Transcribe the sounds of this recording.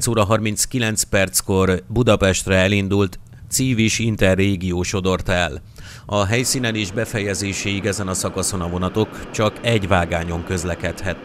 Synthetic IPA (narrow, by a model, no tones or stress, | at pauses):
t̪soːɾɒɦɒrmint̪skilɛnt̪spɛrt̪sko̞rbud̪ɒpɛʃt̪rɛɛlind̪ult̪ | t̪siːviʃint̪ɛrːeːɡijoːʃo̞d̪o̞rt̪ɛl | ɒɦɛjsiːnɛleːʒbɛfɛjɛzeːʃɛiɡɛzɛnɒsɒkɒso̞nɒvo̞nɒt̪o̞kt͡ʃɒkɛɟʋaːɡaːɲo̞ŋkø̞zlɛkɛt̪hɛt̪